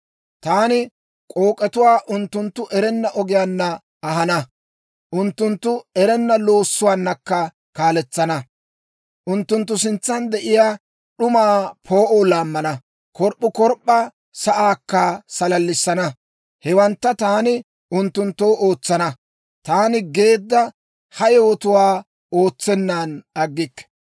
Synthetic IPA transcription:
t̪aːnɪ | kʼoːkʼːɛt̪ʊwaːʔʊnt̪ːʊnt̪ːʊʔɛɾɛnːɐʔɔɡɪjanːɐː | ɦɐnɐ | ʔʊnt̪ːʊnt̪ːʊɛɾɛnːɐlo̞ːsːʊwaːnːɐkːɐ | kaːlɛt͡sːɐnɐ | ʔʊnt̪ːʊnt̪̬ːʊs̬ɪnt͡sːɐnd̪ɛʔɪjaː | ɗʊmaːpʰo̞ːʔoːlaːmːɐnɐ | kɔɾpʼːʊkɔɾpʼːɐ | sɐʔaːkːɐsɐlɐlːɪsːɐnɐ | hɛwɐnt̪ːɐt̪aːnɪ | ʊnt̪ːʊnt̪ːoːʔo̞ːt͡sːɐnɐ | t̪aːnɪɡe̞ːd̪ːɐ | hɐjowɔt̪ʊwaː | o̞ːt͡sːɛnːaːnɐɡːɪkːɛ̥

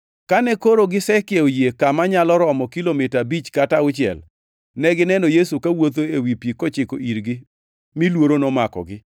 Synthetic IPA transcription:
kanɛkoɾoɡɪsɛkɪeojekamaɲalɔɾɔmɔkilomɪtabit͡ʃkataʊt͡ʃɪɛ̰l | nɛɡɪnɛnɔjesukawot̪̬oewipjikɔt͡ʃɪko̰iɾɡɪ | milwoɾonɔmakɔ̰ɡɪ

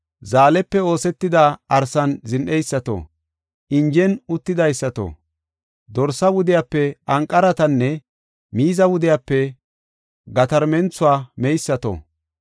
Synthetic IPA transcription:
zaːlɛpːɛo̞ːsɛt̪ːɪd̪aːɐɾsɐnzɪnʔɛjsːɐt̪o̰ | ʔɪnd͡ʒɛnʊt̪ːɪd̪ɐjsːɐt̪o̰ | d̪ɔɾsɐwʊd̪ɪjaːpːɛɐŋkʼːɐɾɐt̪ɐnːɛ | miːzɐwʊd̪ɪjapːɛ | ɡɐt̪ɐɾmɛnt͡sʊaːmɛjsːɐt̪o̰

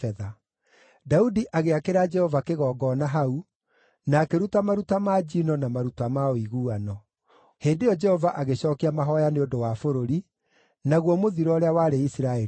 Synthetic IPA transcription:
ɛða | daudiʔaɣeakeɾad͡ʒɛhɔvakeɣɔːɡɔnaɦau | naːkeɾutamaɾutamaːd͡ʒinɔnamaɾutamaoiɣuːanɔ | heːndejɔd͡ʒɛhɔvaʔaɣeɕɔːkiamaɦɔjaneondowafoɾoɾi | naɣwɔmoðiɾɔɾeawaɾeisiɾaɛ

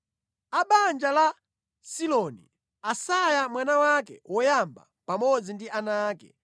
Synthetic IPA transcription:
aɓand͡ʒala | silɔnḭ | asajamwanawakɛ̰wʔɔjamba̰ | pamɔd͡zindiʔanaːkɛ

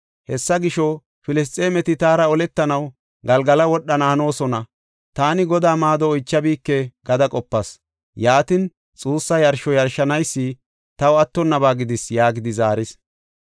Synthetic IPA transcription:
hɛsːɐɡɪʃɔ | fɪlɪs̬t̪ʼe̞ːmɛt̪ɪt̪aːɾɐɔlɛt̪ːɐnɐw | ɡɐlɡɐlɐwɔɗːɐnaːno̞ːsɔnɐ | t̪aːnɪɡɔd̪aːmaːd̪ɔːjt͡ʃːɐbiːkːɛɡɐd̪ɐkʼɔpːɐs | jaːt̪ɪn | t͡sʼuːsːɐjɐɾʃɔjɐɾʃːɐnɐjsːɪ | t̪ɐwɐt̪ːɔnːɐβaːɡɪd̪ɪsjaːɡɪd̪ɪzaːɾɪs

